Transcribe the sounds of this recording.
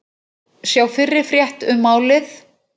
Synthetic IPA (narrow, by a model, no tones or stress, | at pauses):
sjaːwfɪrːɪɾ̥fɾjɛht̪ʏmːaːwlɪθ